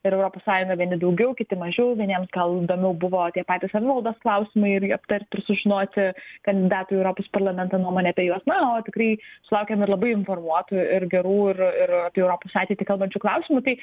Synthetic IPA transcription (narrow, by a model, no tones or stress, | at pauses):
ɪɾɛʊɾoːpoːssɑːjʊŋɡɐʋʲiɛnʲɪd̪ɐʊɡʲɛʊkʲɪt̪ʲɪmɐʒʲɛʊʋʲiɛnʲeɛmsɡɐlˠid̪oːmʲɛʊbʊʋoːt̪ʲiɛpɑːt̪ʲiːsɐʋʲɪʋɐlˠd̪oːsklˠɐʊsʲɪmɐɪɪɾjɪɐpt̪ɐɾʲt̪ʲɪrsʊʒʲɪnoːt̪ʲɪkɐnʲd̪ʲɪd̪ɑːt̪ujɛʊɾoːpoːspɐrlˠɐmʲɛnt̪ɐːnuɔmoːnʲɛɐpʲɛjuɔsnɐoːt̪ʲɪkɾɐɪsʊlˠɐʊkʲɛmɪɾlˠɐbɐɪɪnformuɔt̪ʊɪɾɡʲɛɾuːɪrɪɾɐːpʲiɛɛʊɾoːpoːsɑːt̪ʲeɪt̪ʲɪkɐlˠbɐnʲt͡ʃʲʊklˠɐʊsʲɪmʊt̪ɐɪ